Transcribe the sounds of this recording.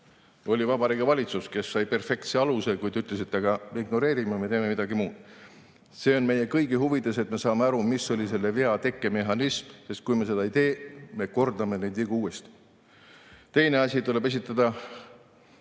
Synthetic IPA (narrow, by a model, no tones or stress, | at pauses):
o̞lʲivɑbɑɾiɡɑvɑlʲit̪suske̞sːɑjpe̞rfe̞kt̪se̞ɑluse̞kujd̪yt̪ːˑles̬it̪ːɑɡɑmeiɡno̞ɾe̞ːɾimɑmet̪eːme̞mid̪̥ɑɡimuːd̪̥ | se̞ːo̞nme̞je̞kɤjɡiɦuvit̪ːˑɑset̪me̞sɑːmeɑɾumisːo̞lʲise̞lːe̞ve̞ɑt̪e̞kˑːeme̞ɦɑnismse̞st̪̚kujme̞se̞d̪̥ɑeijt̪e̞ːme̞ko̞rd̪ɑmenejd̪viɡuuːest̪i̥ | t̪e̞jne̞ɑsʲit̪ule̞be̞s̬ʲit̪ːˑɑd̪̥ɑ